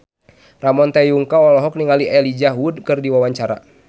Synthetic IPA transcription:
ramɔnt̪ɛjuŋkaɔlɔɦɔk̚niŋaliʔɛlid͡ʒaɦwudkɨrdiwawaɲt͡ʃaɾa̰

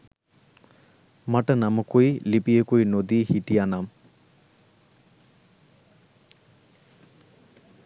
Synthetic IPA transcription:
maʈənaməkujilipijəkuinod̪iːhiʈijanam

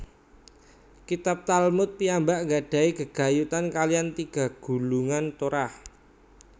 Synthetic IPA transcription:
kit̪ap̚t̪almʊt̪̚piambaʔŋɡaɖ̥ä̤iɡəɡ̥a̤jut̪ankaliant̪iɡ̥a̤ɡ̥ṳluŋant̪uɾah

